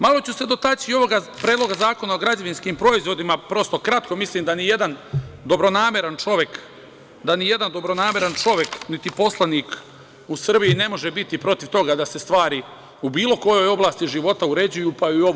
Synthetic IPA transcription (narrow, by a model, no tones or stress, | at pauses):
malo̞t͡ɕuse̞d̪o̞t̪at͡ʃio̞ʋo̞ɡapɾeːd̪loɡazaːko̞nao̞ɡɾad͡ʑaʋinskiːmpɾo̞izʋo̞d̪imapɾo̞st̪o̞kɾat̪ko̞misliːmd̪anije̞d̪and̪o̞bɾo̞naːme̞ɾant͡ʃo̞ʋje̞k | d̪anije̞d̪and̪o̞bɾo̞naːme̞ɾant͡ʃo̞ʋje̞knit̪ipo̞slˠaniːk | usr̩bijine̞mo̞ʒebit̪ipɾo̞t̪iʋt̪o̞ɡad̪ase̞st̪ʋaːɾi | ubiːlo̞ko̞jo̞jo̞blˠaːst̪iʒiʋo̞t̪auɾe̞d͡ʑujuːpaiuo̞ʋ